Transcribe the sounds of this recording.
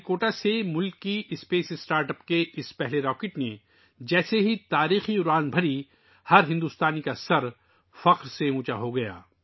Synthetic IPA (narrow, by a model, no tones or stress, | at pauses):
koːʈasemʊlkːiʔɪspeːsɪsʈaːɾʈəpkeʔɪspɛɦleɾɔːkɪʈne | d͡ʒɛːseɦit̪aːɾiːxiuɾaːnbʱɐɾi | hɐɾɦɪ̃nd̪uːst̪aːnikasɐɾ | fɐqɾseũːt͡ʃa̰ɦoɡɐja̰ː